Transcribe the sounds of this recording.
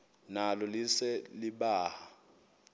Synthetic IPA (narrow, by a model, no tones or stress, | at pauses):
nalɔlisɛliɓaːha